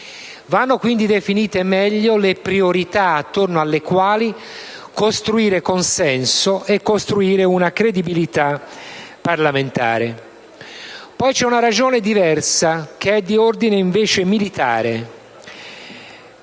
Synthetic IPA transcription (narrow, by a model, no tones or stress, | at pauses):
vanːokwind̪id̪efiniːt̪emɛʎːolepɾioɾit̪aːt̪ːornoalːekwaːli | kost̪ɾuiːɾekonsɛnsoʔekːost̪ɾuiːɾeunakɾed̪ibilit̪a | pːarlament̪a̰ːɾe | pɔjt͡ʃɛunaɾad͡ʒoːned̪ivɛrsak̟eɛd̪ːiord̪ineiɱveːt͡ʃemilit̪a̰ːɾe